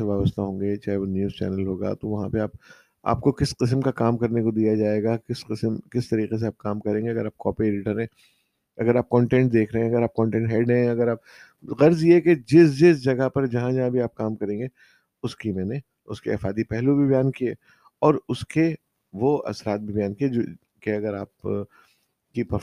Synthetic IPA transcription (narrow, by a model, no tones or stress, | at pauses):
eʋaːbəst̪aɦõːŋɡet͡ʃaːɦeʋonjuːzt͡ʃɛ̰ːnəlɦoːɡa̰t̪oʋɐɦãpeaːp̚ | a̰ːp̚kokɪsqɪs̬mkakaːmkɐɾnekod̪ijad͡ʒaːeːɡakɪsqɪsmkɪst̪ɐɾiːqes̬eaːp̚kaːmkɐɾẽːŋɡeɐɡəɾaːp̚kɔ̰ːpieːɖɪʈəɾɦɛ̃ː | ɐɡəɾaːp̚kɔ̃ːɳʈɛ̃ːɳʈd̪eːkʰɾɐɦẽɐɡəɾaːp̚kɔ̃ːɳʈɛ̃ːʈɦɛːɖɛ̃ɐɡəɾaːp | ɣɐɾzjeɦɛked͡ʒɪsd͡ʒɪsd͡ʒɐɡapɐɾd͡ʒɐɦãd͡ʒɐɦãbʱiaːp̚kaːmkɐɾẽːŋɡe | ʊskimɛːne | ʊskḛɐ̰faːd̪ipɛɦlubʱibɐjaːnkieː | ɔːɾʊske | ʋoɐ̰sɾaːt̪̚bʱibɐjaːnkie | keɐɡəɾaːp | kipɐ